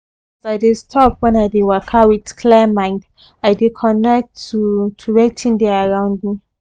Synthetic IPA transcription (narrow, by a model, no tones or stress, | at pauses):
soaɪdestʰɔpwɛ̃naɪdewakʰawitkʰlɛmãɪ̃nd | aɪdekʰɔ̃nɛk̚tʰːutʰuɹɛtʰĩndɛaɹãʊ̃ndmĩ